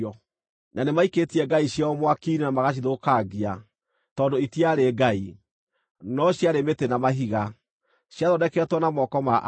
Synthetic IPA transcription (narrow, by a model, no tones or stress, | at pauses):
ɔ | nanemaiketiɛɡaiɕjaɔmwakinenamaɣaɕ̬iðokaɡia | tɔːndoitiaɾeɡai | nɔɕjaɾemetenamaɦiɣa | ɕjaðɔdɛkɛtwɔnamɔkɔmaʔ